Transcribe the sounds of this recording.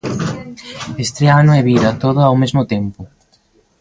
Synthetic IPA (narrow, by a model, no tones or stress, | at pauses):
est̪ɾeanoeβiðɐt̪oðʊawmezmʊt̪empʊ